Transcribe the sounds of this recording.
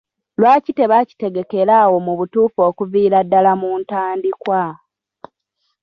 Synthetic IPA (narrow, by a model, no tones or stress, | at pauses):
lwaːcite̞βaci̥te̞ɡe̞ke̞ɾaːwo̞muβutuːfo̞ːkuviːɾadːalamuːntaːndikwa